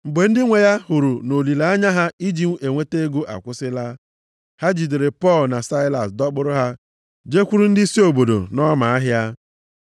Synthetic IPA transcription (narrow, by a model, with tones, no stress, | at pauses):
ŋ͡m̩˨ɡ͡be˨n̩˦dɪ˦ŋʷe˨ja˦hu˨ɾu˨no˨li˨la˨a˦ɲa˦ɦa˦i˦d͡ʒi˦m̩˦e˨ŋʷe˦te˦ɡu˦ʔa̰˨kʷʊ˦sɪ˦la˦ | ha˦d͡ʒi˨de˨ɾe˨pɔ˦˨lna˨sa˦ɪ˦la˨sdɔ˦ɡ͡bʊ˦ɾʊ˦ɦa˦ | d͡ʒe˦kʷu˦ɾu˦n̩˦dɪ˦i˦si˦o˨bo˨do̰˨nɔ˦ma˨a˦ɦja˦